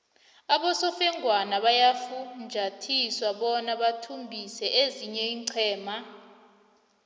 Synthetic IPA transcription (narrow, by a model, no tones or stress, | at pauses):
aɓɔsɔfɛŋʱwanaɓajafund͡ʒʱatʰiswaɓɔnaɓatʰumbʱisɛʔeziɲɛiːǀʰɛːma